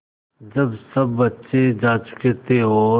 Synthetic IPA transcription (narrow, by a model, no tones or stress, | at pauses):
d͡ʒəbsəbːətːʃed͡ʒaːt͡ʃʊ̥keːt̪eɦoː